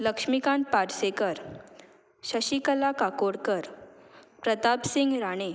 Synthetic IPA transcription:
ləkʂmikãn̚paɾsekəɾ | ɕəɕikəlakakoɽkəɾpɾət̪apsiŋɡɾaɽ̃e

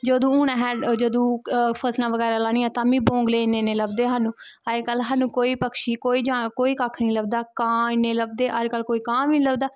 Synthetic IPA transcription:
d͡ʒoːd̪õːuːñãːɦɛːd͡ʒəd̪õːpʰəslãːʋəɡɛːɾaːlaːɽĩːãːt̪ãːmĩːbõːŋɡleːɪnːeːneːləbd̪eːɦaːnũː | əekəlɦaːnũːkoːiːpəkʃiːkoːiːd͡ʒaːkoːiːkaːkʰnĩːləb̚d̪aːkãːɪnːeːləb̚d̪eːʔəd͡ʒkəlkoːiːkãːʋĩːləbd̪aː

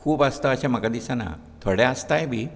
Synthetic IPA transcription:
kʰuːbəst̪əːɕãməkad̪isana̰ | t̪ʰoɽɛəst̪ajbʱiː

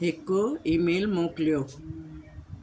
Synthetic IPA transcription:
ekːoimelmõklijo

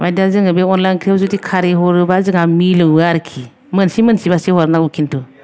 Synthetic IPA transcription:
madazɨŋabeɔnlajnkʰɾewzutikʰaɾeɦoɾɯbazɨŋamiləaɾkʰi | mənsimənsibaseɦoɔɾnakukʰintu

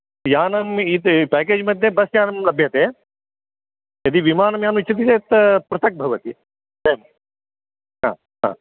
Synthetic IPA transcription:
jaːnɐmit̪pɛːk̬eːd͡ʒmɐd̪ʱjɐbɐsjaːnɐmlɐbʱjɐt̪eː | jɐd̪iʋimaːnɐmjaːnuit͡ʃʰːɐt̪̬it̪eːt̪ɐpɾɐt̪ɐk̚bʱɐʋɐt̪i | d̪ɐjɐm | ɦã̰ː | ɦa̰ː

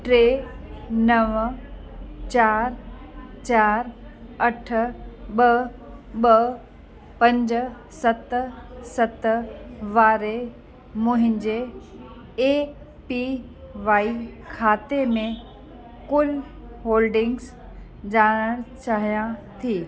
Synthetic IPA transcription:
ʈɾeːnɐʋ | t͡ɕaːɾ | t͡ɕaːɾɐʈʰɓɐ | ɓə | pɐ̃ɲd͡ʑ | sɐt̪sɐt̪ʋaːɾe | mʊ̃ɦɪ̃ɲd͡ʑe | eːk | pi | ʋaːikʰaːt̪emẽ | kʊl | ɦoːlɖɪ̃ŋɡs | d͡ʑaːɽ̃əɽ̃t͡ɕaːɦijãt̪ʰiː

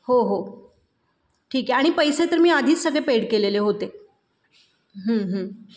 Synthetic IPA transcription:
hoɦo | ʈʰiːkɛaɽ̃ipəjset̪əɾmiːad̪ʱiːt͡ssəɡɭepeɽkeleleɦot̪e | ɦə̃ɦə̃

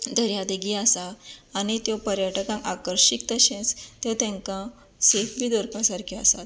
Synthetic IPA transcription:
d̪əɾjad̪iɡiasaːɽ̃it̪jɔpəɾjaʈkãŋkakəɾɕik̚t̪əɕẽt͡st̪jewt̪jãŋkã | sefbʱiːd̪oɾpasaɾkʰiasat̪

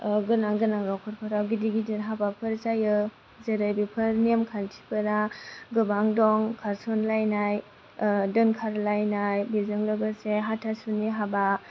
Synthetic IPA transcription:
ɡɯnaŋɡɯnaŋɾɔkʰɔɾpʰaɾawɡidiɡidinɦabapʰɯɾsajɯ | zeɾɯjbipʰɯɾnemkʰantʰi̥pʰɯɾaɡɯbaŋdɔŋkʰaɾsɔnlajnaj | dɯnkʰaɾlajnajbizɯŋlɯɡɯseɦatʰasuniɦaba

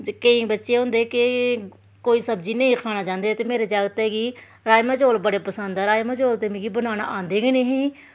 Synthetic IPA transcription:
kəĩːbətːʃeːɦʊ̃ːnd̪eːkɪ | koːiːsəbd͡ʒinẽiːkʰaːnaːd͡ʒãːnd̪eːt̪eːmeːɾeːd͡ʒaːɡət̪ɛːɡiː | ɾaːjmaːd͡ʒoːlbəɽeːpəsənd̪aːɾaːjmad͡ʒoːlt̪eːmɪ̃ːɡiːbənaːña̰ːʔãːnd̪eːɡəneːɦĩː

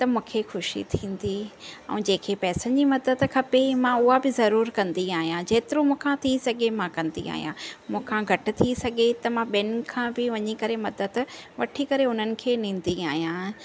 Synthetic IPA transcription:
t̪ɐmũːkʰexʊʃḭt̪ʰĩːn̆d̪iɛ̰̃ːd͡ʑeːkʰepɛːsəd͡ʑiːmɐd̪əd̪kʰɐpemãʊɦabɪzɐɾuːɾkɐ̃nd̪iaːɦijãd͡ʑeːt̪ɪɾomũːkʰãt̪ʰisɐɡʱemãkɐ̃nd̪ḭa̰ːɦijãmũːkʰãɡʱɐʈɪ̆t̪ʰisɐɡʱet̪ɐmãɓɐn̆kʰãːbɪʋɐɲikɐɾemɐd̪əd̪ʋɐʈʰikɐɾeɦʊn̤ənɪ̆kʰeːnĩːn̆d̪iaːɦijã

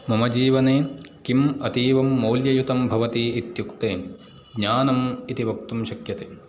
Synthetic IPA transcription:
mɐmɐd͡ʒiːʋɐneːkimɐt̪iːʋɐmːoːljɐjut̪ɐmbʱɐʋɐt̪iːit̪jukt̪eː | ɡɲaːnɐmit̪iʋɐkt̪umʃɐkjɐt̪eː

